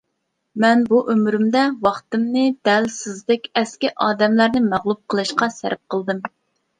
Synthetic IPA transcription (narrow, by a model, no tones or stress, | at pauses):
mɛnbuʔømɾymd̪ɛwɑχt̪ɨmnɨd̪̥ɛlsɪzlɪkʲɛskʲiʔɑːd̪ɛmlæɾnɪmæʁlˠup̚qʰəlˠɨʃqɑsæ̰ɾɪp̚qʰəlˠd̪ɨm